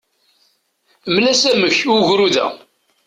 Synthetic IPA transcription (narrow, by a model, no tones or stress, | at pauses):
mlæsæməçʊʝɾuðæ̰